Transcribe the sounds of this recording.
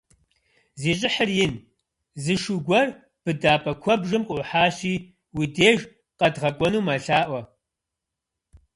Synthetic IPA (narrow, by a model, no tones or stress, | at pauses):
zeːɕʼɪħərjɪn | zɨʃuɡʷɐr | b̥ɨdaːpʼɐkʷʰɔbʒɨmʔʷʼʊħaːɕiː | wideːʒ | qɐdʁɐkʷʼɔnuːmɐɬaːʔʷɐ